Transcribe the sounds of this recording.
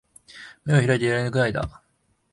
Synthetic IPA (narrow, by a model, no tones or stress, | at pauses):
meoçiɾait̪̬ejaɾenɯkɯ̟naid̪a̰